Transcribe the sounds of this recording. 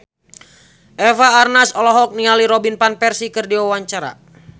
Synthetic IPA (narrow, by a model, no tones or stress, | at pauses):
ʔɛfaːrnasɔlɔɦɔk̚nialiɾɔbinpanpɛrsikɨrdiawaɲt͡ʃaɾa̰